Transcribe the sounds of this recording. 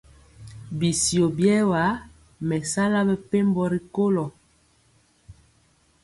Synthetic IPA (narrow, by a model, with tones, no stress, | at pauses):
bi˨si˨o˨bjɛ˦wa˨˦ | mɛ˨sa˦la˦bɛ˦˨pe˦mbɔ˦˨ɾi˨ko˦lɔ˨